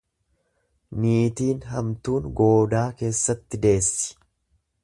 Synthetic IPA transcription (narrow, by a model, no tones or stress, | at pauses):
niːt̪iːnɦɐmt̪uːnɡo̞ːd̪aːke̞ːsːɐt̪ːɪd̪e̞ːsːɪ̥